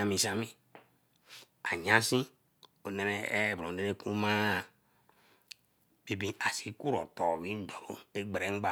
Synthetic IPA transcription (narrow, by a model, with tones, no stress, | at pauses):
a˨mĩ˨sa˦mĩ˦ | a˨ɲã˦sĩ˦ | o˨nɛ˨nɛ˨e˦˨bõ˨e˦ɾe˦ku˦mã˦˨ | be˨bĩ˦a˨si˦ku˦ɾɔ˨tɔ˨wi˦n˦dɔ˨lo˦e˦ɡ͡be˨ɾe˨˦ɡ͡ba˦˨